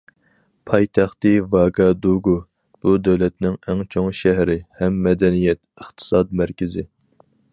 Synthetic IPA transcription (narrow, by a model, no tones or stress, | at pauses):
pʰɑjt̪ʰæχt̪ɨvɑɡɑd̪uɡu | b̥ud̪ɛwlɛt̪nɪŋɛŋt͡ʃʰoŋʃɛɦɾɪhɛmːɛd̪ɛnijɛt̪̚əχt̪ʰɨ̥sɑd̪mæɾkʲɪzɪ